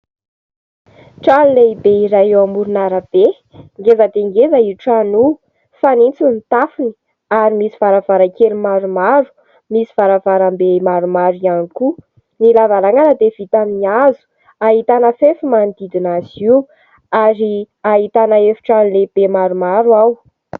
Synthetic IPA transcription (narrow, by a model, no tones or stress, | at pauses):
ʈ͡ʂanileibeiɾajewamuɾunaɾəb̥e | ŋɡezəd̪eŋɡezəiʈ͡ʂanu | fanint͡sunt̪afini̥ | aɾimisi̥v̥aɾəv̥aɾakelimaɾumaɾu̥ | misi̥v̥aɾəvaɾambemaɾumaɾianiku | nilavaɾaŋanəd̪ev̥it̪amiazu̥ | aɦit̪anəfefimand̪id̪inaziw | aɾi | aɦit̪anəefi̥ʈ͡ʂanileb̥emaɾumaɾwaw